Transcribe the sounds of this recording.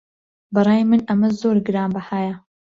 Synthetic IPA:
bɨrˤɑːjmɨnɐmɐzoːɾɡɨɾaːmbɐhaːjɐ

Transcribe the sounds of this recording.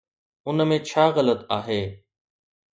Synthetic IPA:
ʊnmẽt͡ɕʰaːɣələt̪aːɦeː

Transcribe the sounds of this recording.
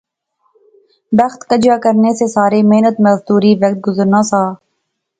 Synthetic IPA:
bɐxt̪kəd͡ʒjaːkəɾnesesaːɾemeɦnət̪mɐzd̪uːɾiʋɐk̚t̪̚ɡʊzəɾnaːsaː

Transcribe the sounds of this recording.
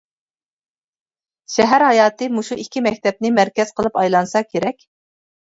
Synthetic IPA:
ʃɛɦæɾhɑjɑːt̪ɨmuʃuikʲʰːimɛkʲt̪ʰɛp̚nɪmæɾkʲɛz̥qʰəlˠɨpɑjlˠɑnsɑkʲʰeɾɛkʲ

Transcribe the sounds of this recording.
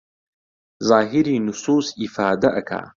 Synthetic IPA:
zaːɦiɾiːnusuːsifaːd̪ɐʔɐkʰa̰ː

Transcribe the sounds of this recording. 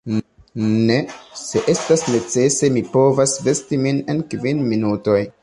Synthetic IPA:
nese̞ʔe̞stasne̞t͡se̞se̞mipo̞vasve̞stimine̞nkvinminuto̞j

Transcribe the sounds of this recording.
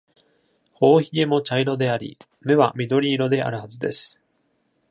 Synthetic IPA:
ho̞ːçie̞mo̞t͡ɕaiɾo̞d̪e̞aɾʲḭ | me̞βamʲid̪o̞ɾʲiːɾo̞d̪e̞ʔa̰ɾɯ̟hazɨd̪e̞̰sɨ̥

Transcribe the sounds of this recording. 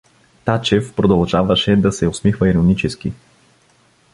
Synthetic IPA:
t̪at͡ʃɛfpɾod̪ɐlˠʒavɐʃɛd̪ɐsɛʊsmixvəiɾonit͡ʃɛsk̟i

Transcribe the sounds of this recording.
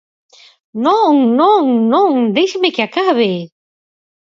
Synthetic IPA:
nõŋnõŋnõŋd̪ejʃemekɪakaβe

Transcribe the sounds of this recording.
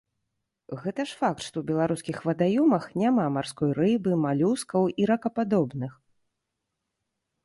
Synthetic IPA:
ɣɛt̪ɐʂfak̚t̪ʂt̪ɔwbʲɛlˠaɾuskʲixvɐd̪ajɔmɐxnʲamamarskɔjɾɨbɨmalʲuskɐwiɾɐkɐpad̪ɔbnɨx

